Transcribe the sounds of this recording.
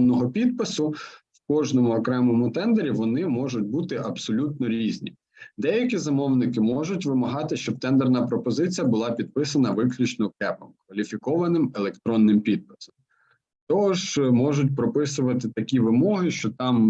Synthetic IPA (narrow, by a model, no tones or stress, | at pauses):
nːɔɦɔpʲid̪̚pɪsʊwkɔʒnɔmʊɔkɾɛmɔmʊt̪ɛnd̪eɾʲiʋɔnɪmɔʒʊtʲbut̪ɪʔɐbsɔlʲut̪nɔɾʲizʲnʲḭ | d̪ɛjɐkʲizɐmɔwnɪkɪmɔʒʊtʲʋɪmɐɦɑt̪ɪʃt͡ʃɔb̚t̪ɛnd̪ɛrnɐpɾɔpɔzɪt͡sʲijɐbʊlˠɑpʲid̪̚pɪsɐnɐʋɪklʲut͡ʃnɔkɛpɔmkʋɐlʲifʲikɔʋɐnɪmelˠekt̪ɾɔnːɪmpʲid̪̚pɪ̥sɔm | t̪ɔɔʒmɔʒʊtʲpɾɔpɪsʊʋɐt̪ɪt̪ɐkʲiʋɪmɔɦɪʃt͡ʃɔt̪ɑm